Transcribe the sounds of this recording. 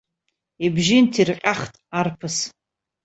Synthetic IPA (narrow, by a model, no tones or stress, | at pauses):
ibʒɪntʰirqʲʼaχtʼarpʰɨs